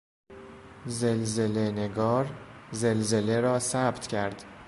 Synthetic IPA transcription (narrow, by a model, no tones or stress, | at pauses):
zelze̞lene̞ɡɒːɾzelze̞leɾɒːsæb̥t̪ʰcʰæɾd̪̥